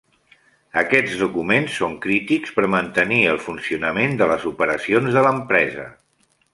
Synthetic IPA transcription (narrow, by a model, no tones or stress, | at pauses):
əkɛd͡zðukumensːoŋkɾit̪ikspəɾmənt̪əniəlˠfunsiunəmend̪ələzupəɾəsionzðələmpɾɛzə̰